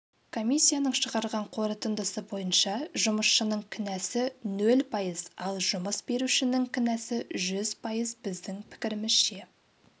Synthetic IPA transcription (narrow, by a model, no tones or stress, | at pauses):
kʰo̞mʲijsʲːijanəɴʃəʁɑɾʁɑɴqʰo̞ɾət̪ənd̪əsəbo̞jənʃɑʒʊməsʃənəɴkʲʰʏnæsɪnɵlpʰɑjəzɑlˠʒʊməsbe̞ɾuʃɪnɪŋkʲʰɪnæsɪʒʏzpʰɑjəzbɪzd̪ɪŋpʰɪ̥kʲɪɾɪmɪz̥ʃe̞